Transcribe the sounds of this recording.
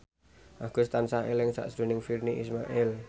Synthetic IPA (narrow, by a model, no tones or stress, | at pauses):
ʔaɡ̥ʊst̪ansaɪlɪŋsa̰ʔsdṳnɪŋfirniʔismaʔɪl